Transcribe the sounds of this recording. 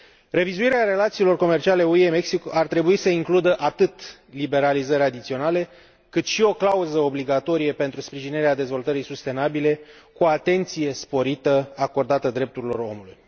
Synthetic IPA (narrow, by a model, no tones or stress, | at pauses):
re̞vizuiɾeaɾe̞lat̪siːlo̞rko̞me̞rt͡ʃiale̞ueme̞ksikart̪ɾe̞buisəiŋklud̪əʔat̪ɨt̪ | libe̞ɾalizəɾʲad̪it̪sio̞nale̞ | kɨt̪ʃio̞klauzəo̞bliɡat̪o̞ɾijepe̞nt̪ɾuspɾiʒineɾead̪e̞zvo̞lt̪əɾisust̪e̞nabile̞kuat̪e̞nt̪sije̞spo̞ɾit̪əako̞rd̪at̪əd̪ɾe̞p̚t̪uɾilo̞̰ɾo̞̰muluj